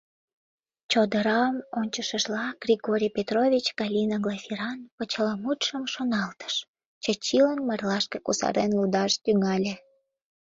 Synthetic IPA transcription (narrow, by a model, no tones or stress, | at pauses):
t͡ɕod̪əɾɑmonʲt͡ɕəʃəʒlɑɡ̥rʲiɣoɾʲijpʲet̪rovʲit͡ɕɡɑlʲinəɡlafʲiɾɑnpət͡ɕəlɑmut̪ʃəmʃonɑlt̪ə̥ʃ | t͡ɕət͡ɕilənmɑrlɑʃkəkusɑ̰ɾenlud̪ɑʃt̪yŋɑlʲe